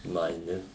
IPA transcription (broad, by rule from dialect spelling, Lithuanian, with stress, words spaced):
nʊɐɪˈnʲɪ